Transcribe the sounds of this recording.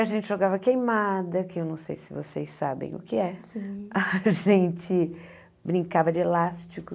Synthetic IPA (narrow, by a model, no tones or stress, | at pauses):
ɐʒẽnt͡ʃɪʒoɡavɐkejmad̪ɐkɪewnɐ̃w̃sejsɪvosejsabḛ̃j̃ʊ̰kɪɛsiɐʒẽnt͡ʃɪ | bɾĩŋkavɐd͡ʒɪelast͡ʃɪkʊ